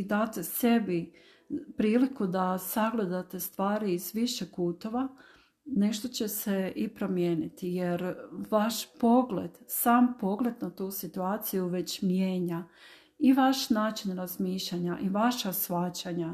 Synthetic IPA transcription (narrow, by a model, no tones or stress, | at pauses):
d̪aːt̪e̞se̞bi | pɾiːlikud̪asaɡlˠe̞d̪at̪e̞st̪ʋaːɾiːzʋiʃekuːt̪o̞ʋa | ne̞ʃt̪o̞t͡ɕe̞se̞ʔipɾo̞mje̞ːnit̪ijeɾʋaʃpo̞ɡlḛd̪̥saːmpo̞ɡle̞d̪nat̪uːsit̪uaːt̪sijuʋe̞t͡ɕmje̞ːɲa | iʋaʃnaːt͡ɕinɾazmiːʃlʎaɲaʔiʋaʃasʋat͡ɕaɲa